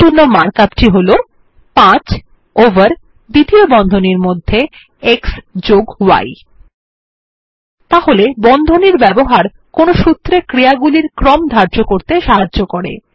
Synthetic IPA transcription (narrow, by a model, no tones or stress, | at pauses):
t̪unːomaɾkapʈiɦolo | pãt͡ɕ | ovəɾ | d̪it̪iobɔnd̪ʱoniɾmod̪ʱːe | eksd͡ʑoɡwa̰j | t̪aɦolebɔnd̪ʱoniɾbɛboɦaɾ | konoʃut̪ːɾekɾiaɡuliɾkɾɔmd̪ʱaɾd͡ʑokoɾt̪eʃaɦad͡ʑokoɾḛ